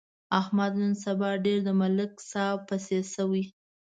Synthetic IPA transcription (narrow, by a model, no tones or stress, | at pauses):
ahmad̪nənsabɑɖeɾd̪əmalɪksɑwpasesəwi